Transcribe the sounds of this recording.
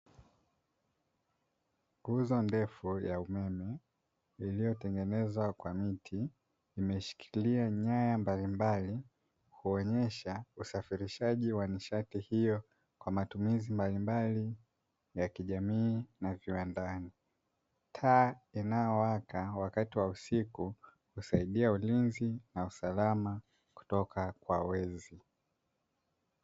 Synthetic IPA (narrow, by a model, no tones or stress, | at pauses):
ɡuzɔndɛfujaumɛmɛ | ilijɔtɛŋɡɛnɛzwakwamitʰiː | mɛʃi̥kʰiiliaɲajambalimbali | kuɔɲɛʃausafiɾiʃaʄiwaniʃatihijɔ | kwamatumizimbalimbali | jakiʄamiːnaviwandani | tʰaːinajɔwakawakatiwausiku | husaiɗiaulinzinausalama | ku̥tɔkʰakwawɛzi